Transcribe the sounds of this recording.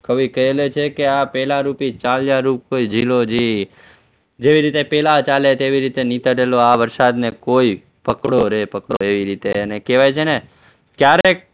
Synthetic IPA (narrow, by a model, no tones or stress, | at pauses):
kəʋikəelet͡ʃʰekeapɛlaɾupit͡ʃaljaɾupkoid͡ʒʱilod͡ʒi | d͡ʒeʋiɾit̪epɛlat͡ʃalet̪eʋiɾit̪enit̪əʈeloaʋəɾsad̪nekoi | pəkɽoɾepəkɽo̰eʋiɾit̪eənekeʋajt͡ʃʰene | kjaɾek̚